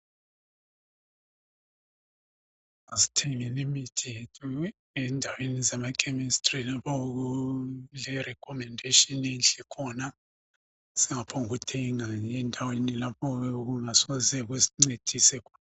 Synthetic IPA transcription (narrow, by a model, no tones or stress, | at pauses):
azi̥tʰɛŋɛlimitʰetʰu | ɛndʱawenizamakʰɛmistrilapʰɔɣulɛrɛkʰɔmɛndʱeʃɔnɛnɬɛkʰɔna | sɛŋapʰoŋuɣutʰɛŋaɛndʱawenilapʰɔɣuŋasɔzɛɣ̬wesi̥ŋ͡ǀed̥ʱisɛkʰɔ̥n